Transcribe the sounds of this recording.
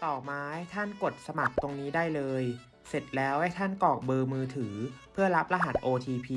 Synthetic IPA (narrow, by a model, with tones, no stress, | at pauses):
t̪ɔː˨˩maː˧˦hajt̪ʰa˥˩nko˨˩t̪̚sa˧ma˨˩k̚t̪o˧ŋniː˦˥daː˥˩jlɤː˧j | se˨˩t̪̚lɛː˦˥wha˥˩jt̪ʰa˥˩nkɔː˨˩k̚bɤː˧mɯː˧t̪ʰɯː˩˦pʰɯ˥˩ɐɾa˦˥p̚la˧ɦa˨˩t̪̚ʔoː˧t̪ʰiː˧pʰiː˧